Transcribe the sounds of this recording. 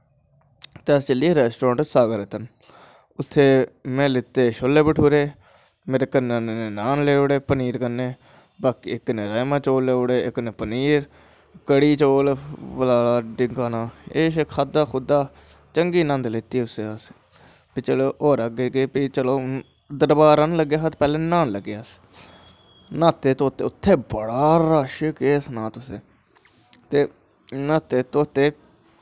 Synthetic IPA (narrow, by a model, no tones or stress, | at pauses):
t̪eːəst͡ʃəlieːɾɛːsʈoɾõːɳʈsaːɡəɾeːt̪ən | ʊt̪ʰːeːmɛ̃ːlɪt̪ːeːʃoːlːeːbəʈʰuːɾeː | meːɾeːkənːanneːnaːnleːʊɽeːpəniːɾkənːeː | baːkiːɪkːneːɾaːjmãːt͡ʃoːlleːoɽeːɪkːneːpəniːɾ | kəɽiːt͡ʃoːlʋəlaːlaːɖɪŋɡaːnaːeːʃekʰaːd̪aːxʰʊd̪aː | t͡ʃəŋɡiːnə̃nd̪leːt̪iːʊseːəs | pit͡ʃəloːʔoːɾəɡeːkeːpit͡ʃəloː | d̪əɾbaːɾənləɡjaːɦət̪pɛːlẽːnaːnləɡːjaːs | nãːt̪eːt̪oːt̪ḛːʊt̪ʰːeːbəɽaːɾaːʃəkeːsnaːt̪ʊsḛ̃ː | t̪eː | naːt̪eːt̪oːt̪eː